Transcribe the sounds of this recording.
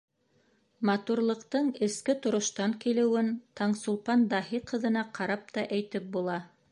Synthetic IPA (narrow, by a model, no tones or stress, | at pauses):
mɑt̪uɾlˠɤ̆qt̪ɤɴɘ̆skɘt̪ŏɾŏʃt̪ɑŋkilɘ̆wɘnt̪ɑɴsulˠpɑnd̪ɑhiqɤ̆ðɤ̆nɑqɑɾɑp̚t̪ɑʔæjt̪ɘp̚bulˠɑ